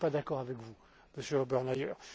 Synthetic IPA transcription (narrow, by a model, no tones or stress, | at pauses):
pad̪akɔʁavɛkvu | məsjøɔbɛʁnajœːʁ